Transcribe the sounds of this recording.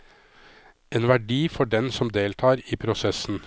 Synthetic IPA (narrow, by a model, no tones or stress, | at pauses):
eːnʋæɖiːfɔɖɛnsɔmd̪eːlt̪ʰɑːɾiːpʰɾʊsɛsn̩